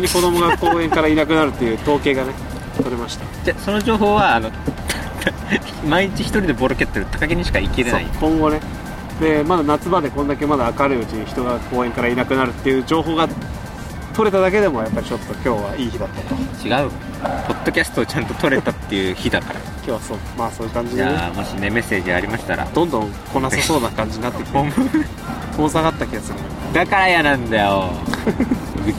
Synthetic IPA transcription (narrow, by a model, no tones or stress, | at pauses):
ɲ̟iko̞d̪o̞mo̞ɡako̞ːẽ̞ŋkaɾainak̬ɯ̟naɾɯ̟t̪ːe̞jɯ̟ːt̪o̞ːke̞ːɡane̞ | t̪o̞ɾe̞maɕi̥t̪ad͡ʑaso̞no̞ʑo̞ːɦo̞ːβaːno̞t̪ | t̪ | maiɲit͡ɕiçi̥t̪oɾʲid̪e̞bo̞ɾoke̞t̪ːeɾɯ̟t̪ʰːakaɡeɲ̟iɕi̥kaikeɾea̰ḭkõ̞ŋɡo̞ne̞ | d̪e̞mad̪anat͡sɨbad̪e̞kond̪ake̞mad̪aːkaɾɯ̟ɯ̟t͡ɕiɲ̟içi̥t̪o̞ɡako̞ːẽ̞ŋkaɾainakɯ̟naɾɯ̟t̪ːe̞jɯ̟ːd͡ʑo̞ːɦo̞ːɡa | t̪o̞ɾe̞t̪ad̪ake̞d̪e̞mo̞japːaɾʲit͡ɕo̞t̪ːo̞kʲo̞ːβaiːçid̪at̪ːat̪ot͡ɕiɡaɯ̟ | po̞d̪o̞kʲasɨ̥t̪oːt͡ɕãnt̪o̞t̪o̞ɾe̞t̪at̪ːe̞jɯ̟çid̪akaɾa̰kʲo̞ːβasoː | maːso̞ːjiɯ̟kãɲ̟d͡ʑidemoɕineme̞se̞ːʑiaɾʲimaɕi̥t̪aɾa̰d̪̥õ̞nd̪õ̞ŋ | ko̞naseso̞ːnakãɲ̟d͡ʑiɲinat̪ːekʲi̥t̪o | koːzaɣat̪ːakʲiɡasɨɾɯ̟no | d̪akaɾajanãnd̪ajo